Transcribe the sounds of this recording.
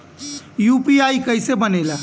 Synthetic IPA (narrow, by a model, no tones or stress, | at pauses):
jupiajkəjsebənɛla